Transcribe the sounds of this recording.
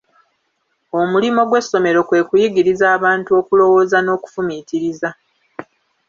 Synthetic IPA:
o̞mulimo̞ɡwe̞sːo̞me̞ɾo̞kwe̞ːkujiɡiɾizaːβaːntuo̞kulo̞wo̞ːzano̞ːku̥fumitiɾiza

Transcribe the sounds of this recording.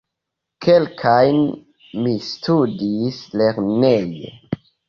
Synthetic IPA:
kʰe̞lkʰajn | mistudisle̞ɾnejḛ

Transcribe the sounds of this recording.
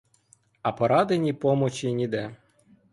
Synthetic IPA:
ɐpɔɾɑd̪enʲipɔmɔt͡ʃinʲid̪ɛ

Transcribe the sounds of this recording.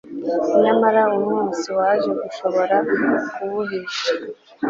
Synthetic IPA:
sinamaɾaumhuːnsiwaʒeɡuʃo̞βo̞ɾakuβuɦeʃa

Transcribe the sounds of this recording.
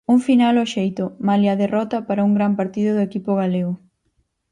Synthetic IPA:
uŋfinalɔʃejt̪ʊmaliɐðerɔt̪ɐpaɾɐuŋɡɾampaɾt̪iðʊðʊekipʊɣ̞aleɣʊ

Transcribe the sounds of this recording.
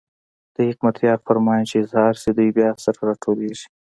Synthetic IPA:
d̪̥əhɪkmɐt̪jɑːɾfɐɾmɑːjt͡ʃiɪzhɑːɾsid̪ujbjɑːsɐɾɾaʈʰoːleːʒi̥

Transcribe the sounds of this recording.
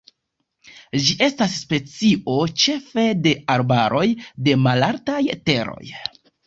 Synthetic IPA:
d͡ʒiʔe̞stasːpe̞t͡sio̞t͡ʃe̞fe̞de̞aɾbaɾo̞jde̞malaɾtajte̞ɾo̞̰j

